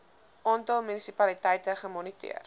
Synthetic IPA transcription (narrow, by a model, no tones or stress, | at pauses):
ɔntəlˠmynisipɐlitɛjtəχəmɔnitḭər